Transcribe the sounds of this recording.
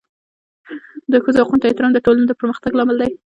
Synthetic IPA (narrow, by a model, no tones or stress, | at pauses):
d̪əxəzohaqunt̪et̪ɪɾɑmd̪əʈolanod̪əpəɾməxt̪aɡlɑmɪld̪aj